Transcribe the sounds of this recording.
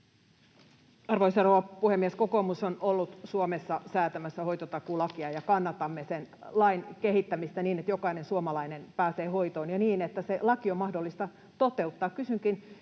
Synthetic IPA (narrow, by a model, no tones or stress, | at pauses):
ɑrʋoisɑroʋɑpuhemːieskokomusonolːut̪suomesːɑsæːt̪æmæsːæho̞ijt̪ot̪ɑkulɑkiɑjɑkɑnːɑt̪ɑmːesenlɑinkeɦhit̪ːæmist̪æniːnet̪jokɑinensuomɑlɑinenpæːseːhoit̪oːnjɑniːnet̪ːæselɑkiomɑhdolːist̪ɑ | t̪ot̪e̞ut̪ːɑːkkysyŋkin